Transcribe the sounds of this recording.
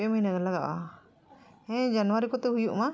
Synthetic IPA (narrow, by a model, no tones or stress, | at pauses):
ɛmaɦinakɛlaɡaʔa | ɛ̃d͡ʒanwaɾikɔt̪ɛɦujuʔma